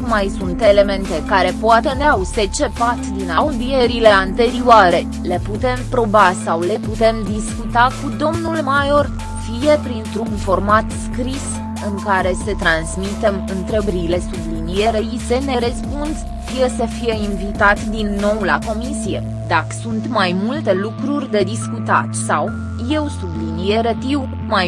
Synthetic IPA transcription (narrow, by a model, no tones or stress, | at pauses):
majsunt̪e̞le̞me̞nt̪e̞kaɾe̞poat̪eneawset͡ʃe̞pat̪d̪inaud̪ieɾile̞ant̪e̞ɾiuaɾe̞ | le̞put̪e̞mpɾo̞basawle̞put̪e̞md̪iskut̪akud̪o̞mnulmajo̞r | fije̞pɾint̪ɾunfo̞rmat̪skɾis | ɨŋkaɾe̞sət̪ɾansmit̪emɨnt̪ɾebɾile̞sublinijeɾeisene̞ɾəspuns | fije̞səfije̞invit̪at̪d̪inːo̞wlako̞misie̞ | d̪akə̥sunt̪majmult̪elukɾurʲd̪e̞d̪iskut̪a̰t̪saw | je̞wsublinijeɾət̪iw | maj